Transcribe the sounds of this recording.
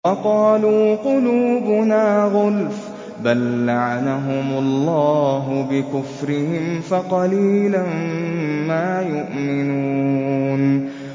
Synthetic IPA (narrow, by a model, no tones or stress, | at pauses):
wɑqɑːluːqʊluːbʊnaːɣʊlf | balːaʕanaɦʊmʊlˤːɑːɦʊbɪkʊfɾɪhɪmfaqɑliːlammaːjʊʔmɪnuːn